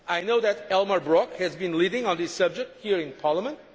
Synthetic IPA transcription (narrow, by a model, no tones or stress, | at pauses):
ajnoʊðɨɾɛlˠməbɹɔkhɨzbɨ̃nlidɪ̃ŋə̃nðɪsʌb̚d͡ʒɨk̚t̚hiɹɪ̃npʰɑɹlˠəmə̃nt̚